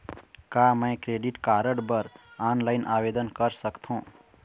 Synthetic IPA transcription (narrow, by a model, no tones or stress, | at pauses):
kamə̃jkɾeɖiʈkaɾəɽbəɾanlaɪnʔabed̪ənkəɾsəkt̪ʰũ